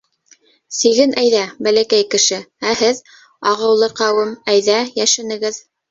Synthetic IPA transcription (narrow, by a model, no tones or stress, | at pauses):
siɣɘnʔæjðæbælækæjkɘ̆ʃɘæhɘð | ɑʁɤ̆wlˠɤqɑwɤmæjðæjæʃɘ̆nɘ̆ɡɘð